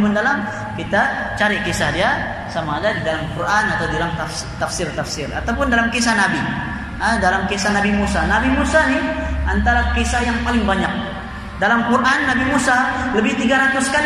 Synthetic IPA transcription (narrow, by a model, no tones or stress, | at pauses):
məndalam | kit̪a | t͡ʃaɾikesahdia | samaːdadidalamkuranat̪awdidalamt̪af | t̪afsɪrt̪afsɪra̰t̪awpʊndalamkesahnabi | ədalamkesanabimusanabimusaniʔant̪aɾakesajaŋpalɪŋbaɲak̚ | dalamkurʔanːabimusaləbɪht̪iɡaɾat̪ʊska